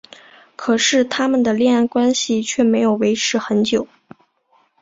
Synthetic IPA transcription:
kʰɤ˨˩ʂɻ̩˥˩t̪ʰa˥mə˨nd̪ə˩ljɛ˥˧na˥˩nkwa˥nɕi˨t͡ɕʰɥɛ˥˩me˧˥ɪjo˨˩ʊwe˧˥ɪʈ͡ʂʰɻ̩˧˥xə˧˥nt͡ɕjo˨˩˦ʊ

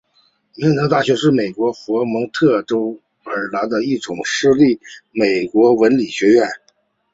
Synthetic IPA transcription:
mi˧˥ŋnə˧˥ŋt̪a˥˩ɕɥɛ˧˥ʂɻ̩˥˩me˨˩ɪkwɔ˧˥xwɔ˧˥mɤ˧˥ŋt̪ʰɤ˥˩ʈ͡ʂo˥ʊ | ə˞˨˩la˧˥d̪ə˧i˥˩ʈ͡ʂʊ˨˩ŋʂɻ̩˥˧li˥˩me˨˩ɪkwɔ˧˥wə˧˥nli˨˩ɕɥɛ˧˥ɥɛ˥˩n

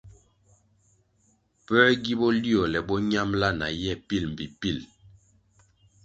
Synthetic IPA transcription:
pɛː˦ɡi˦bɔ˦li˦ɔ˨lɛ˨ɓɔ˦ɲa˦mla˦na̰˨jɛ˦˨pi˦˨lm̩˨bi˨pi˦˨l

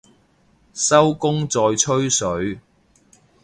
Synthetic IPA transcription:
sɐ˥wkʊ˥ŋt͡sɔː˨jt͡ʃʰɵ˥ɥsɵ˨˥ɥ

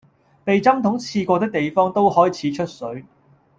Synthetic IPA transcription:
pe˨jt͡sɐ˥mt̪ʰʊ˨˥ŋt͡sʰiː˧kʷɔː˧t̪ɪ˥k̚t̪e˨jfɔː˥ŋt̪o˥whɔː˥jt͡sʰiː˨˥t͡ʃʰɵ˥t̚sɵ˨˥ɥ

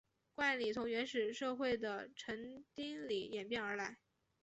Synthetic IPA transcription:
kwa˥˩nli˨˩t͡s̪ʰʊ˧˥ŋɥɛ˧˥nʂɻ̩˨˩ʂɤ˥˧xwe˥˩ɪd̪ə˩ʈ͡ʂʰɤ˧˥ŋt̪i˥ŋli˨˩jɛ˨˩npjɛ˥˩nə˞˧˥la˧˥ɪ

